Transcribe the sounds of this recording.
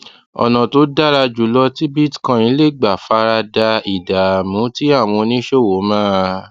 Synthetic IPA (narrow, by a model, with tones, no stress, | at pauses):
ɔ̰˨nã˨to˨˦da˦ɾa˧d͡ʒu˨˦lɔ˧ti˦bi˦tkã˧jĩ˨˦le˦˨ɡ͡ba˨fa˧˦ɾa˧da˧i˨da˨mũ˨˦ti˦a˦˨w̃ɔ̃˧nĩ˦ʃo˦˨wo˨˦mãː˦˧